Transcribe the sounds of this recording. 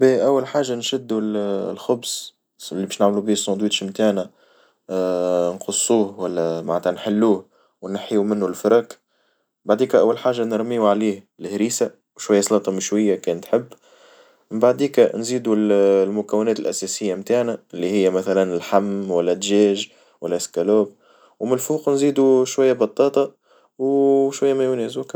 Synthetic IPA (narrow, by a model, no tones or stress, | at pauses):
biʔæwːalħaːʒːanʃɪd̪ːullxʊbs | lːibɛːʃnaʕmlubiːsˤːɑ̃ːd̪wiːt̪ʃmt̪aʕnæ | nqʊsˤːuːhwælːæmaʕnət̪hænħɪlːuːh | wnaħiumɪnːʊlfɪɾˤɑk | mbaʕd̪iːkʔæwːælħaːʒːanəɾˤmiːuʕaliːh | lhɾiːsa | wʃwajːæsˤɑlɑːt̪ˤɑmɪʃwɪjːakɛːnt̪ħɪbː | mɪmbaʕd̪iːknziːd̪ulmʊkæwːɪnɛːt̪ɪlʔæsɛːsɪjːamt̪aːʕnæɪlːihɪjːæmæθælænɪlħamːwælːæd̪ʒɛːʒ | wælːæskæloːb̚ | wmɪlfuːqnziːd̪uʃwajːabɑt̪ˤːɑːt̪ˤɑ | wʃwajːæmæjʊnɛːzbuk